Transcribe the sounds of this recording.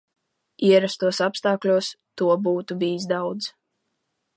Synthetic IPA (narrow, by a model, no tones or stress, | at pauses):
iɛɾast̪uɔsapst̪aːklʲuɔs | t̪uɔbuːt̪ubiːzd̪awd̪z